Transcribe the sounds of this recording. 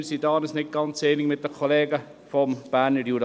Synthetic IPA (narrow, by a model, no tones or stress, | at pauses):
sidɑːnəsnɪt̚ɡ̥ɑnt͡seːniŋmɪt̚dəkʰoleːɡə | fɔmb̥æːɾnəɾjuɾ